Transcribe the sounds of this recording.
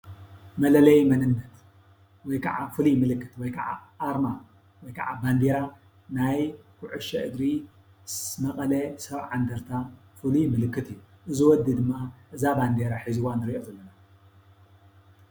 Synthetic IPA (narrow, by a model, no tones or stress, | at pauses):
mɐlɐlɐjmɐnɨnːɐt̪ | wɔjkʰɐʕafɨlimɨlɨkːɨt̪wɔjkʰɐʕa̰ʔːɾma | wɔjkʰɐʕaband̪eɾa | najkʰʊʕuʃɐʔɨd̪ɾi | mɐkʼɐlɐsɐβʕand̪ɐɾt̪ʰafɨlimɨlɨkːɨt̪ʰɨjːuʔɨziwɔd̪id̪ɨmːaʔɨzaband̪eɾaħizɨwanɨɾiʔozɐlːɐna